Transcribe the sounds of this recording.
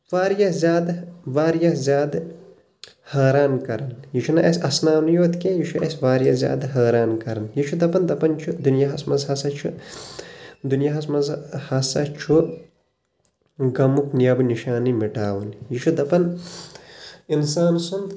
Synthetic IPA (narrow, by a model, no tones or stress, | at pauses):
ʋaːɾjɐzʲaːd̪ʋaːɾjɐzʲjaːd̪ | haːɾaːnkɐɾɐnjiʃʰunɐʔɐsʲɐsnaːwnjoːt̪kejiʃʰuɐsʲʋaːɾjɐzʲja̰ːd̪ɦaːɾaːnkɐɾɐnjit͡ʃʰud̪ɐpɐnd̪ɐpɐnt͡ʃʰud̪unjaɦɐsmɐzɦɐsɐt͡ʃʰu | d̪unjaɦɐsmɐzhɐsɐt͡ʃʰu | ɡɐmuknijɐbniʃaːnimiʈaːwunjiʃʰud̪ɐpɐn | insaːnsund̪